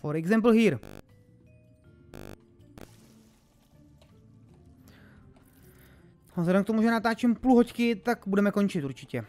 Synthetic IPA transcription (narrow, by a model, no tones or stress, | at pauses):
foɾɛɡzɛmpl̩ɦiːɾ | zɦlɛdɛmkt̪omuʒɛnat̪aːt͡ʃɛmpluɦockɪt̪aɡbudɛmɛko̞nt͡ʃɪt̪uɾt͡ʃɪcɛ